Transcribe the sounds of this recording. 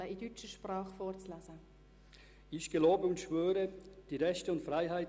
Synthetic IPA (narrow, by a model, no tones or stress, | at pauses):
əidyt͡ʃəʃprɑːχfɔːɾt͡slazə | ɪçɡ̥əloːbəʊntʃvøːɾəd̥iːʁɛʃtəʊntfʁaɪɦaɪ